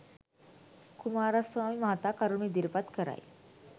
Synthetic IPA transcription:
kumaɾasʋamiməɦat̪ʋakaɾuɳid̪iɾpat̪kəɾa̰j

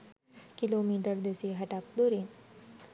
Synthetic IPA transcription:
kilomiːʈəɾd̪esiɦɐʈak̚d̪oɾiːn

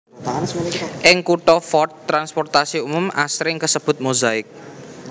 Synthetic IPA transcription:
ʔɪŋkuʈɔfɔt̪ːɾanspɔrt̪asiumʊma̰sɾɪŋkəsəb̥ʊ̤t̪̚muzaɪk̚

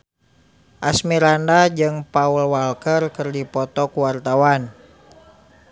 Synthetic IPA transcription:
ʔasmiɾandad͡ʒɨŋpaulwalkərkərdipɔt̪ɔkuwart̪awan

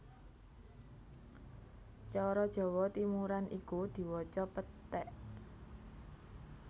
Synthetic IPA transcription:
t͡ʃɔɾɔd̥ʒ̥ɔ̤wɔt̪imuɾanʔikud̪̥i̤wɔt͡ʃɔpət̪ɛʔ

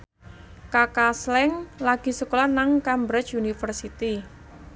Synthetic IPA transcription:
kakaslɛŋlaɡ̥i̤səkolanaŋkambɾɛt͡ʃunifərsit̪i

